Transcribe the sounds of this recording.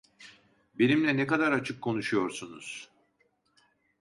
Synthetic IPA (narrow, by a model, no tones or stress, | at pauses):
beɾimlʲɛnɛkad̪aɾat͡ʃʰɯkʰːo̞nuʃujo̞ɾsunuz̥